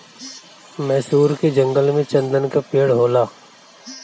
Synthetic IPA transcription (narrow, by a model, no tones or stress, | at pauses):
mɛːsuːɾked͡ʒɐ̃ŋɡəlmẽt͡ʃɐ̃nd̪ənkapeːɽɦoːlaː